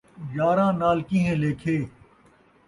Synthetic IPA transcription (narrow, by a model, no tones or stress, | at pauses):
jaːɾãːnaːlkĩɦɛ̃ːleːkʰeː